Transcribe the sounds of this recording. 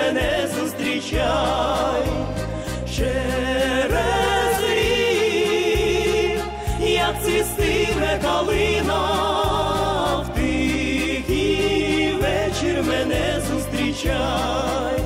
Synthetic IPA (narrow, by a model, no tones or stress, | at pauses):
ɛnɛzust̪ɾit͡ʃaj | ʃɛ | ɾɛzi | ijat̪sisivɛkalina | t̪i | ki | vɛt͡ʃɛɾmɛnɛzust̪ɾʲit͡ʃaj